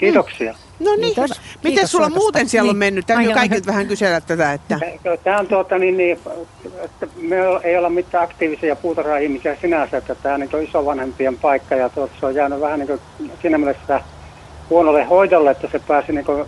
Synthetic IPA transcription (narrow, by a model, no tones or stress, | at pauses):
kiːt̪oksiɑ | nonimit̪essulːɑmuːt̪ensielːommenːyt̪t̪æmyøkɑikilt̪ʋæhæŋkyselæt̪t̪æt̪æet̪ːæekøt̪æːont̪uot̪ɑninni | et̪ːæmeoleˑiolemmit̪ːæːɑkt̪iːʋisiɑpuːt̪ɑsɑihmisiæsinæsæet̪ːæt̪æːonniŋkoisoʋɑnhempiempɑˑikːɑjɑt̪uot̪ɑseojjæːnyʋæhænniːŋko | siːnæmielest̪ːæ | huonolːehoˑit̪olːeet̪ːæsepæːsiniːŋko